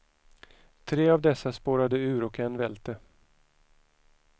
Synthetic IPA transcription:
t̪ʰɾeːavd̪ɛsːaspoːɾad̪əʉ̟ːɾɔkɛnvɛlt̪ə

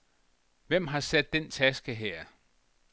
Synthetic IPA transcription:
ʋem̰ɦɑ̈sed̥ːent͡sʰæsɡ̥əɦeɐ̰

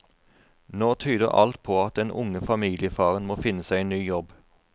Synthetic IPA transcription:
noːt̪ʰyːd̪ə̰ʁʔɑ̰lt̪̚pʰoːɑt̪̚d̪ɛnʔʊ̰ŋəfɑmiːlɪəfɑːʁənmoːfɪnəsæɪeːnyːjɔb

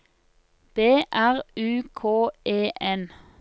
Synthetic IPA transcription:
b̥eːʔæʁʉːkʰoːʔeːʔɛn

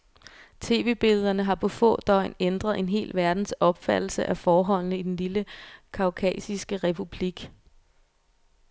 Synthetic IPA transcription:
t͡sʰe̝̰ːʋe̝̰ːb̥e̝lð̞̩ˠɐnəɦɑ̈pʰɒ̽fɔ̰̽ːd̥ɒ̽ɪ̰nend̥ʁɐð̞̩ˠe̝nɦe̝̰ːlʋæɐd̥n̩sɒ̽b̥fæd̥l̩səʔæfɒːɦɒ̽l̰nəid̥enliləkʰɑ̈ʊkʰɛ̰ːsisɡ̥əʁɛpʰub̥liɡ̥

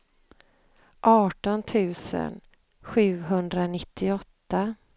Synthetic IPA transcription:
ʔɑːʈɔnt̪ʰʉ̟ːsə̰n | ɧʉ̟ːɦɵnd̪ɾanɪt̪ʰːɪɔt̪ːa

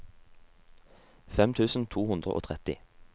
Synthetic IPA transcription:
fɛmt̪ʰʉːsn̩t̪ʰuːhʉnd̪ʁə̰ʔo̰ːt̪ʰʁɛt̪ɪ

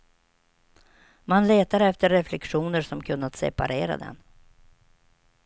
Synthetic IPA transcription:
manleːt̪aɾɛft̪əɾːɛflɛkɧuːnəɾʂɔmkʰɵnːat̪sɛ̰pa̰ɾeːɾa̰d̪ɛ̰n

